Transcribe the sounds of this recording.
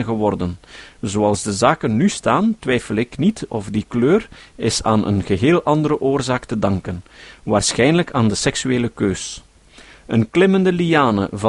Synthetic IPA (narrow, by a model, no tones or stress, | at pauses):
nɣəwɔrdənzoɑlˠzdəzaːkənːystaːntwɛjfəlˠɪknitɔvdikløːrɪsaːnʔə̰nɣəɦeːlˠʔɑnd̪əɾəʔoːrzaːktədɑŋkənʋaːrsxɛjnələkʰaːndəsɛksyeːləkøːs | ənklɪməndəliaːnə̰vɑ